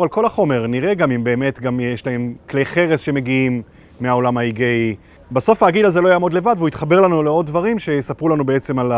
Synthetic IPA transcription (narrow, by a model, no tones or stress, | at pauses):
alko̞laχo̞me̞ʁniʁe̞ɡamimbe̞ːme̞tɡamjeʃlahe̞mkle̞jχe̞ʁe̞sʃe̞me̞ɡiimː | eao̞lamaiɡej | baso̞faːɡidazelo̞jaːmo̞d̪le̞vad̪veuit̪χabeʁlanuleo̞d̪̚dvaʁimʃe̞sapʁulanubeet͡se̞mal